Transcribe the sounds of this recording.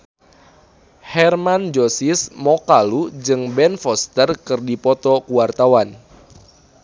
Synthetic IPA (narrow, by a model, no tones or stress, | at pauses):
hɛrmand͡ʒosismɔkalud͡ʒɨŋbɛnfɔst̪ərkɨrdipɔt̪ɔkuwart̪awan